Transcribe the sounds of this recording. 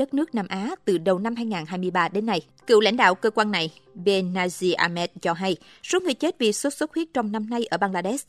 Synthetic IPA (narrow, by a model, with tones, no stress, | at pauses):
ə˦˥t̚nɨ˦˥ək̚naː˧mʔaː˨˦t̪ɨ˨˩ɗə˨˩wna˧mɦaː˧jŋaː˨˩nɦaː˧jmɨ˧əjɓaː˧ɗe˨˦nːa˧j | kɨ̰˧˨wla̰˧jŋ̟ɗa̰ː˧˨wkəː˧kwaː˧nna˨˩jɓe˧naː˧zi˧ʔaː˧mɛ˦˥t̚t͡ɕɔ˧ɦa˧j | so˨˦ŋɨ˨˩əjt͡ɕe˦˥t̚vḭ˨˩k̚sə˦˥t̚swə˦˥t̚hwi˦˥t̚t͡ɕɔ˧wŋ͡mna˧mna˧jʔəː˧˩ɓaː˧ŋlaː˧ɗɛ˦˥s